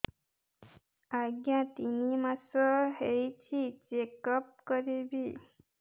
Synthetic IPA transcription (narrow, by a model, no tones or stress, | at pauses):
aɡjãt̪inimãsəɦejt͡ʃʰit͡ʃekəp̚kəɾebi